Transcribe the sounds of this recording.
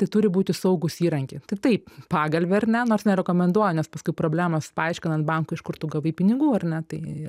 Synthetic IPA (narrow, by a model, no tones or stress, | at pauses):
t̪ɐɪt̪ʊɾʲɪbuːt̪ʲɪsɐʊɡʊsiːɾɐŋʲkʲet̪ɐɪt̪ɐɪppɑːɡɐlʲʋʲɛɐrnʲɛnoːrsnʲɛɾʲɛkoːmʲɛnd̪uɔjɛnʲɛspɐskʊɪpɾoːbʲlʲæːmospɐɐɪʃʲkʲɪnɐnt̪̚bɐŋkʊɪʃkʊɾt̪ʊːɡɐʋɐɪpʲɪnʲɪɡuːɐrnʲɛt̪ɐɪɪ